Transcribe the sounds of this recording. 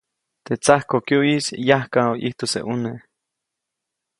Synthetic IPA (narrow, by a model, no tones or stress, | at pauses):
t̪et͡sahkokjoisjahkaoʔiht̪osḛʔune